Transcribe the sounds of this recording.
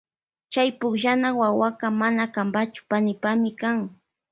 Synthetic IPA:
t͡ʃajpʊkʒanawawakamanakambat͡ʃʊ̥panɪpamɪkaŋ

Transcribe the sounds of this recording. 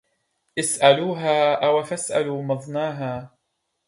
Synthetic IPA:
ʔɪsʔaluːɦaːʔawafasʔa̰luːmɑðˤnaːɦaː

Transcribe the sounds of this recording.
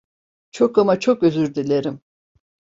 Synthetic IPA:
t͡ʃʰokamat͡ʃʰokøzyɾd̪ilʲeɾim

